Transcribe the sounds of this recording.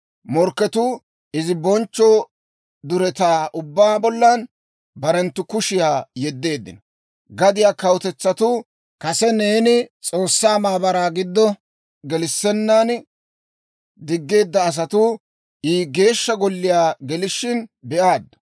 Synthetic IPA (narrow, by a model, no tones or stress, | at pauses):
mɔɾkːɛt̪ʊ | ɪzɪbɔnt͡ʃːɔ | d̪ʊɾɛt̪aːʔʊbːaːbɔlːɐn | bɐɾɛnt̪ːʊkʊʃɪjaːjɛd̪ːe̞ːd̪ːɪ̰nɔ | ɡɐd̪ɪjaːkɐwʊt̪ɛt͡sːɐt̪ʊ | kɐsɛne̞ːnɪt͡sʼoːsːaːmaːbɐɾaːɡɪd̪ːɔ | ɡɛlɪsːɛnːan | d̪ɪɡːe̞ːd̪ːɐːs̬ɐt̪ʊ | iːɡe̞ːʃːɐɡɔlːɪjaːɡɛlɪʃːɪnbɛʔaːd̪ːɐ̥